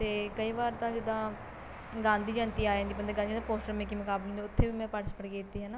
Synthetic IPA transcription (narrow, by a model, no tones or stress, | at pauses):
t̪eːkəiːʋaːɾt̪ãːd͡ʒɪd̪ãː | ɡãːnd̪iːd͡ʒə̃ːnt̪iːaːjãːnd̪iːbənd̪əɡãnd̪id͡ʒd̪ãpoːsʈəɾmɛ̃ːkiːmʊkaːbl̃nd̪ːʊt̪ʰːeːʋiːmɛ̃ːpəɽəspəɽkeːt̪ːiːɦɛːnaː